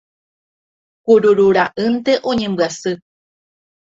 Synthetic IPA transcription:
kuɾuɾuɾaʔɨnt̪e̞ʔõ̞ɲẽ̞mbɨasɨ

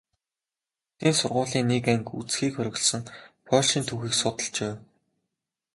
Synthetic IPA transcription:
t̪ʰeːnsʊrʁʊːɮiːnːekæŋkṵt͡sxiːkxœɾʲɣ̆ʲɮsə̆ŋpʰœːɮʃiːnt̪ʰuxiːksʊt̪ə̆ɬt͡ɕeː

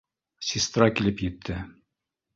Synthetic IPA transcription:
sʲist̪rɑkilɘpjɘ̆t̪ʰːɘ

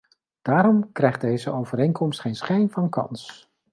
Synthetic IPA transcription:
d̥aːɾɔmkrɛjχd̥ejzəʔowvəɾejnkɔmstχejnsχɛjnvɑnkɑ̰ns

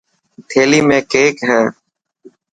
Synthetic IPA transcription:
t̪ʰeːliːmẽːkeːkɦɛ̃ː

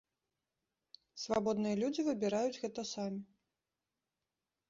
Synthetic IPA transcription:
svabɔd̪nɨjɐlʲud͡zʲivɨbʲiɾajud͡zʲɣɛt̪ɐsamʲi

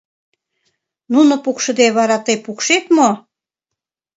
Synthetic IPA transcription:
nunopukʃə̆d̪eβɑɾɑt̪əjpukʃet̪mo

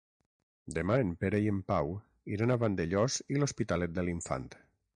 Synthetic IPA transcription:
d̪emaempeɾeiempaw | iɾanaβand̪eʎɔzilospit̪alet̪̚d̪eliɱfa̰nt̪

